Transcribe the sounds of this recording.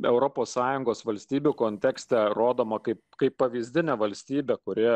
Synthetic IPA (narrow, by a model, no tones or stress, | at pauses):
ɛʊɾoːpoːssɑːjʊŋɡoːsʋɐlʲsʲt̪ʲiːbʲukoːnʲt̪ʲæːksʲt̪ʲɛɾoːd̪oːmɐkɐɪpkɐɪpːɐʋʲiːzʲd̪ʲɪnʲɛʋɐlʲsʲt̪ʲiːbʲɛkʊɾʲɪ